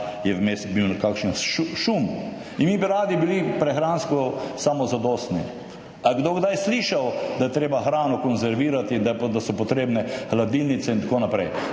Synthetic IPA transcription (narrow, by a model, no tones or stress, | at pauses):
jɛwmesbiwnkakʃn̩ʃuʃum | inmibiɾaːd̪ibilipɾɛxɾaːnskɔsaːmɔzad̪ost̪ni | aɡd̪oɡd̪ajsliːʃawd̪ɐjɛt̪ɾeːbaxɾaːnɔkɔnzɛɾʋiːɾat̪id̪d̪asɔpɔt̪ɾeːbnɛxlad̪ilnit̪sɛint̪akoːnapɾɛj